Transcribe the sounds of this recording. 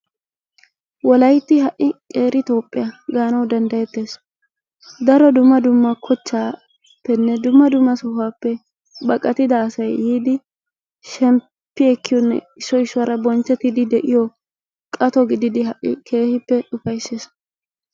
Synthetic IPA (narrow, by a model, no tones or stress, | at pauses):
wɔlɐjt̪ːɪɦɐʔɪkʼe̞ːɾɪt̪o̞ːpʼːɪ̰jɐɡaːnɐwd̪ɐnd̪ɐjɛt̪ːe̞ːs | d̪ɐɾɔd̪ʊmːɐd̪ʊmːɐkʰɔt͡ʃːaː | pːɛnːɛd̪ʊmːɐd̪ʊmːɐsɔhaːpːɛ | bɐkʼːɐt̪ɪd̪ɐːsɐjːiːd̪ɪ | ʃɛm | pːɪɛkːɪjɔnːɛ̰ɪsːɔɪsːʊwaːɾɐbɔnt͡ʃːɛt̪ːɪd̪ɪd̪ɛʔɪjɔ | kʼɐt̪ɔɡɪd̪ɪd̪ɪɦɐʔɪ̰kʰe̞ːhɪpːɛᶑʊfɐjsːeːs